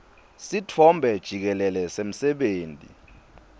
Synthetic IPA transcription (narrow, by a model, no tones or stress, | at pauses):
sitʰɔmbʱɛd̥ʒ̥ʱik̬ɛlɛlɛsem̩sɛɓeːntʼḭ